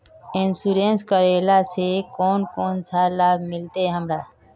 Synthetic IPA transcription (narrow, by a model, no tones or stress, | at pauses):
ensuɾẽnskəɾeːlasekɔːnkoːnsalaːbʱmɪlt̪eɦəmɾa